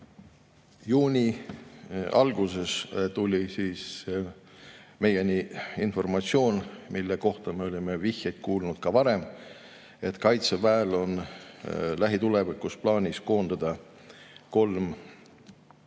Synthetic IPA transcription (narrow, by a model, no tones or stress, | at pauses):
juːnʲi | ɑlɡ̥use̞st̪ulʲisiːs | me̞jeniinfo̞rmɑt̪sio̞ːnmilːeko̞ht̪ɑmeo̞lʲime̞vihjɑjt̪̚kuːlnud̪̥kɑvɑɾe̞m | e̞t̪kɑjt̪sevæːlo̞n | læɦit̪ule̞vikːusplɑːnʲisko̞ːnd̪̥ɑd̪̥ɑ | ko̞lm